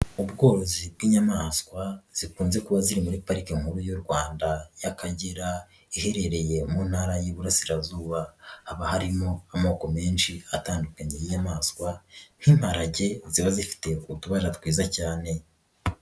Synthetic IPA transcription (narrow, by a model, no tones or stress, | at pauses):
ubɡo̞ːɾo̞zib̚ɡiːɲamaskwaz̥ikuːnze̞kuβaziɾimuɾipaɾikeŋ̥huɾujoɾɡwaːndajakaɟiɾa | ihe̞ɾe̞ɾe̞je̞munhaɾajiβuɾasiɾazuːβahaβahaɾimo̞amo̞ːko̞me̞ːnʃiataːndukaɲejiɲamaːskwan̥himhaɾaɟe̞ziβazifi̥te̞kutuβaʒatwiːzacaːne̞